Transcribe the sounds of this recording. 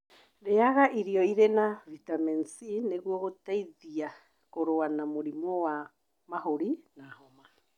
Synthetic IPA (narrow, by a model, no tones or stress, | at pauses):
ɾeaɣaʔiɾioiɾenavitamɛnsineɣuɔɣotaiðia | koɾoanamoɾimɔwa | maɦoɾinahoma